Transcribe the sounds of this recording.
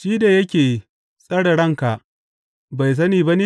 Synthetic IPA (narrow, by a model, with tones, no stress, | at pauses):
ʃiː˦da˨jɐ˦kʲeː˨ | sʼɐ˦ɽɐ˨ɽɐ˦˨ŋka˨ʔ | ba˨js̬ɐ˦niː˨ba˦ni˦